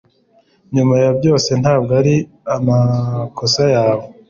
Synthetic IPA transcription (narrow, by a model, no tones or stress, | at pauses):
ɲumajabjo̞ːse̞naːb̚ɡaɾi | amakosajaːβo